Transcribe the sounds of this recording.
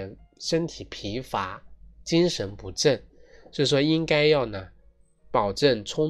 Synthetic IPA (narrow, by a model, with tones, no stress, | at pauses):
nʂə˥nt̪ʰi˨˩pʰi˧˥fa˧˥˦t͡ɕi˥ŋʂə˧˥npu˧˥ʈ͡ʂə˥˩nʂɻ̩˥˩ʂ̬wɔ˥i˥ŋka˥ɪjɑ˥˩ʊnə˩ | pɑ˨˩ʊʈ͡ʂə˥˩nt͡sʰʊ˥ŋ